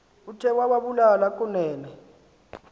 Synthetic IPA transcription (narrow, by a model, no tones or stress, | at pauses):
utʰɛwaɓaɓulalakʼunɛːlɛ